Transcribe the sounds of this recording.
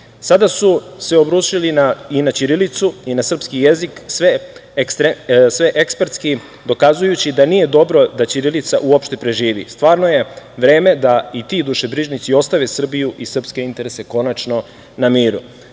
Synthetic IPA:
sad̪asuse̞o̞bɾuːʃilinainat͡ɕiɾilit̪suinasr̩pskijeziksʋek̪esʋeʔekspeɾt̪ski | d̪o̞kazujut͡ɕid̪aniːje̞d̪o̞bɾo̞d̪at͡ɕiɾilit̪saʔuopʃt̪e̞pɾe̞ʒiːʋḭst̪ʋaːɾno̞je̞ʋɾe̞ːme̞d̪ait̪id̪uʃe̞bɾiʒnit̪sio̞st̪aʋe̞sr̩bijuʔisr̩pske̞int̪e̞ɾese̞ko̞nat͡ʃno̞ | namiːɾṵ

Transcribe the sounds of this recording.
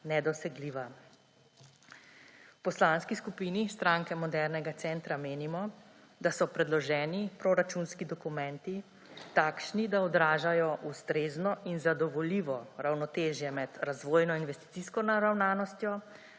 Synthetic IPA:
nɛd̪ɔsɛɡliːʋa | wpɔslanskiskupiːnist̪ɾaŋkɛmɔd̪ɛɾnɛɡat̪sɛnt̪ɾameːnimɔ | d̪asɔpɾɛd̪lɔʒɛːnipɾɔɾat͡ʃunskid̪ɔkumɛ̃nt̪i | t̪aːkʃnid̪aɔd̪ɾaːʒajɔʔust̪ɾeːznɔʔinzad̪ɔʋɔliːʋɔɾawnɔt̪eːʒjɛmɛd̪ɾazʋoːjnɔinʋɛst̪i̥t̪siskɔnaɾawnaːnɔst̪jɔ

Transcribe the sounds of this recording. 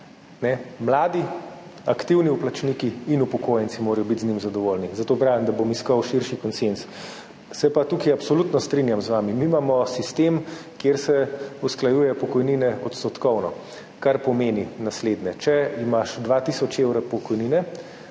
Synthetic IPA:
nɛmlaːd̪iakt̪iwniuplat͡ʃnikiːnupɔkoːjɛnt̪simoːɾɐjɔbit̪znimzad̪ɔʋoːlnizat̪oːpɾaːʋimd̪abomiskɔwʃiɾʃikɔnsens | sɛpat̪ukajapsɔlut̪nɔst̪ɾinjamzʋaːmimimaːmɔsist̪emkjeɾsɛusklajuːjɛpɔkɔjninɛɔt̪st̪ɔt̪kɔwnɔ | kaɾpɔmeːninasleːd̪nɛt͡ʃɛimaʃd̪ʋaːt̪isɔt͡ʃewɾɔpɔkɔjninɛ

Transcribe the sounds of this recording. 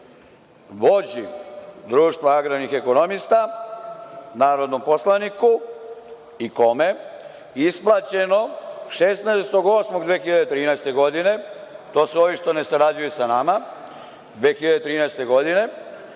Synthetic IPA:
ʋo̞d͡ʑid̪ɾuːʃt̪ʋaaɡɾanixe̞ko̞no̞mist̪a | naːɾod̪no̞mpo̞slˠaniku | iko̞me̞ | isplˠat͡ɕe̞no̞ʃesnaest̪o̞ɡo̞smo̞ɡd̪ʋe̞ːxiʎad̪et̪ɾiːnɛjst̪e̞ɡo̞d̪ine̞t̪o̞ːseoʋiʃt̪one̞saɾad͡ʑujesanama | d̪ʋe̞ːxiʎad̪et̪ɾiːnɛjst̪e̞ɡo̞d̪ine̞

